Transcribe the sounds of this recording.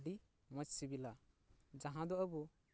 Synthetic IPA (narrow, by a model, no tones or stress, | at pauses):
ɖi | mət͡ʃsibila | d͡ʒaɦãd̪ɔəbu